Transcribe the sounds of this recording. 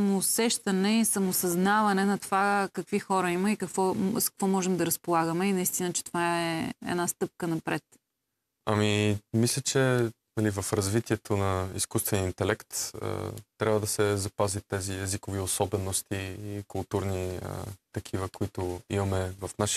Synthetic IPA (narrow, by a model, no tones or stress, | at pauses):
moːsɛʃt̪ɐnɛisɐmosɐznavɐnɛnɐt̪ovakɐkvixɔɾəiməikɐkvɔskə̥kvɔmɔʒɛmd̪ɐɾɐspolˠaɡəmɛinɐist̪inət͡ʃɛ̥t̪ovaɛɛ̰d̪nast̪ɤp̚kənɐpɾɛt̪ | ɐmimislʲət͡ʃɛ | nɐlivɐfɾɐzvit̪iɛt̪ʰonɐḭskust̪vɛnint̪ɛlɛkt̪ə̰t̪ːɾʲabvəd̪ɐsɛzɐpazit̪ɛziɛzikʊviosɔbɛnost̪iikʊlˠt̪uɾniə̰t̪ɐkʰivəkʊit̪ʊimɐmɛvɐfnaʃi̥